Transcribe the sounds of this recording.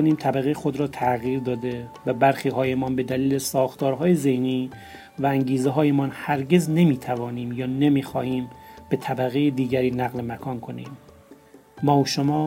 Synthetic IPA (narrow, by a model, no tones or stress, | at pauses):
oniːmt̪ʰæbæɣejexod̪ɾɒːt̪ʰæɣiːɾd̪ɒːd̪e̞væbæɾxiːɦɒːjemɒːnbe̞d̪æliːlesɒːxt̪ʰɒːɾɦɒːjeze̞hniː | vææŋɟiːzeɦɒːjemɒːnhæɾɟe̞zne̞miːt̪ʰævɒːniːmjɒːnemiːxɒ̰ːhiːmb̥e̞t̪ʰæbæɣe̞jed̪iːɟæɾiːnæɣle̞mækʰɒːnkʰo̞nḭːmː | ɒːoʃomɒː